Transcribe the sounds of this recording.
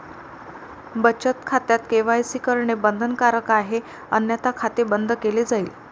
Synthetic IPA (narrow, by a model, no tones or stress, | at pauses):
bət͡ɕət̪kʰat̪jat̪keʋajsikəɾɳebənd̪ʱənkaɾəkaɦe | ənjat̪akʰat̪ebənd̪ʱəkeled͡zaiːl